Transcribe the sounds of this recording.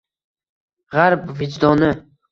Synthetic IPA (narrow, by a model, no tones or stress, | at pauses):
ʁaɾpvɪd͡ʒd̪ɒnɪ